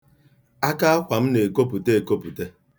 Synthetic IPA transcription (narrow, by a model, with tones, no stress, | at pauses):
a˦ka˦a˦kʷa˨m̩˦ne˨ko˦pu˨te˦e˨ko˦pu˨te˦